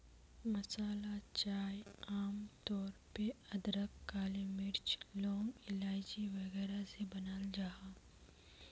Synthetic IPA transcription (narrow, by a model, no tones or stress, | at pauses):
mɐsaːlat͡ʃaːjaːmt̪ɔːɾpeɐd̪ɾəkːaːlimɪɾt͡ʃlɔ̃ːŋɡɪlaːjd͡ʒiʋɐɣɛːɾasebɐnaːld͡ʒaːɦa